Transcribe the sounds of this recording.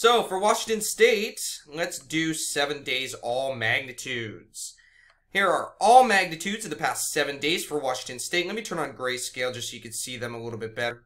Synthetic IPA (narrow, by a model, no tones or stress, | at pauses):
soʊfə˞wɑʃɪ̃ŋtɨ̃nsteɪtlɛtsd̥ɨsɛvɨ̃ndeɪzɔlˠmæɡ̚nɨtʰʉdz̥ | hiɹə˞ɔlˠmæɡ̚nɨtʰʉdz̥ʌvðəpʰæstsɛvɨ̃ndeɪz̥fə˞wɑʃɪ̃ŋtɨ̃nsteɪt̚lɛt̚mitʰɜ̃˞nə̃nɡɹeɪskeɪlˠd͡ʒʌsjɨkɨ̃nsiðɨ̃məlɪɾl̩ˠbɪt̚b̥ɛɾə˞